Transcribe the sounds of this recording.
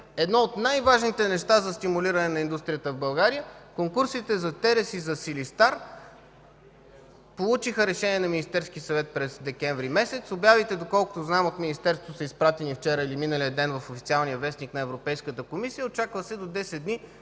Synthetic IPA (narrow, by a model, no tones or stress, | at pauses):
ɛd̪nɔot̪najvaʒnit̪ɛnɛʃt̪azɐst̪imuliɾɐnɛnɐind̪ust̪ɾijət̪əvbɐlˠɡaɾijəkoŋkuɾsit̪ɛzɐt̪ɛɾɛsizɐsilist̪aɾ | polˠut͡ʃixəɾɛʃɛniɛnɐminist̪ɛɾsk̟isɐvɛt̪̚pɾɛzd̪ɛkɛɱvɾimɛsɛt̪sobjavit̪ɛd̪okɔlˠkʊ̥t̪oznaɛmot̪minist̪ɛɾst̪o̥t̪osəispɾat̪ɛnift͡ʃɛɾəiliminəlijəd̪ɛnvɐfofit̪ialˠnijəvɛsniknɐɛvɾopɛjskət̪əkomisijəot͡ʃakvəsɛd̪od̪ɛsɛd̪̚ni